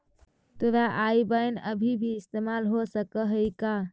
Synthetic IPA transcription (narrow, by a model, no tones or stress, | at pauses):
t̪oɾaʔaibəjnəbʱibʱiɪst̪emalɦosəkəɦəika